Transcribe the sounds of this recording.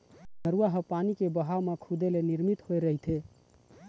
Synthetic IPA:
nəɾuaɦəpanikebəɦawmekʰud̪eleniɾmit̪hoeɾəɦit̪ʰe

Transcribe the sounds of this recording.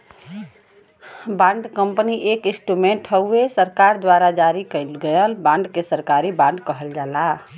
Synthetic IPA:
bãɳɖkəmpniʔekisʈumẽɳʈɦəesəɾkaɾd̪waɾad͡ʒaɾikəɪlɡəjəlbãɳɖkesəɾkaɾibãɳɖkəɦəld͡ʒala

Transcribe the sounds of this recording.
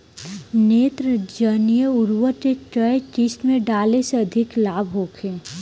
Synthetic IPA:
neːt̪ɾd͡ʒənijəʊɾwəʈeʈəjt͡ʃɪsʈmẽɖaːleseɐd̪ʱɪklaːbʱɦoːkʰeː

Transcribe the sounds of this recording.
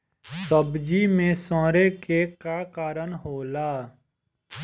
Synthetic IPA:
səbd͡ʒimẽsɔ̃ːɾekekakaːɾənɦoːlaː

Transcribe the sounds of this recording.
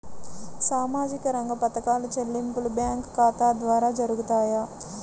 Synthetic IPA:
saːmaːd͡ʒikɐɾɐŋɡɐpɐt̪ɐkaːlɐt͡ʃelːimpulubjaːŋkːaːt̪aːd̪ʋaːɾaːd͡ʒɐɾuɡut̪aːjaː

